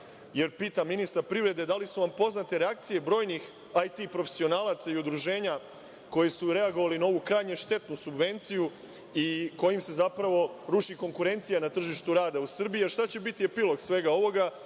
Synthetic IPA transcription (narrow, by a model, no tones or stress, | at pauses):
je̞ɾpiːt̪amːinist̪aɾpɾivɾe̞d̪e̞d̪alisuʋampo̞znat̪e̞ɾeak̚t̪sije̞bɾo̞ːjnix | ajt̪ipɾo̞fesio̞naːlˠat̪saiud̪ɾuʒe̞ːɲa | ko̞jesuɾe̞aɡoʋalinao̞ʋukɾaːjɲeʃt̪e̞t̪nusubʋe̞nt̪siju | iko̞jimse̞zapɾaʋo̞ɾuʃiko̞ŋkuɾe̞nt̪sijanat̪r̩ʒiʃt̪uɾaːd̪ausr̩bijeɾʃt̪at͡ɕe̞bit̪iepilo̞ɡsʋe̞ɡao̞ʋo̞ɡa